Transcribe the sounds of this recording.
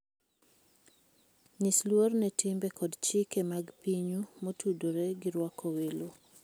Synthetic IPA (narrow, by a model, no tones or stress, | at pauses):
ɲislwornɛtʰɪmbɛkɔdt͡ʃikemaɡpiɲumotudoɾɛɡɪɾwakʰowelo